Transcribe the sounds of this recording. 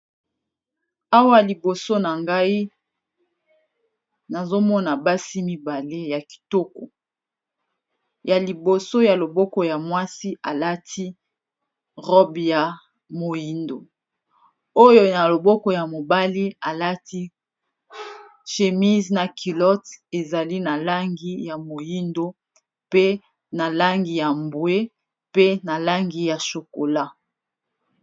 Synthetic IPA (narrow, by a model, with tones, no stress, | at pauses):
a˦wa˦li˨bo˨so˦na˨ŋɡa˦i˦ | na˨zo˦mɔ˦na˨ba˦si˦mi˨ba˨le˦ja˨ki̥˨to˦kɔ˨ | ja˨li˨bo˨so˦ja˨lo˨bɔ˦kɔ˨ja˨mwa˦si˦ʔa˨la˦tʰi˦ | ʁɔ˦bja˨ | mo˨ji˨ndo˨ | o˦jo˦na˨lo˨bɔ˦kɔ˨ja˨mo˨ba˦li˦a˨la˦tʰi˦ | ʃe˨mi˦zna˨kʰi˨lɔ˦te˨za˨li˦na˨la˦ŋɡi˨ja˨mo˨ji˦ndo˦ | pe˦ | na˨la˦ŋɡi˨ja˨mbwe˦ | pe˦na˨la˦ŋɡi˨ja˨ʃo˨ko˨la˦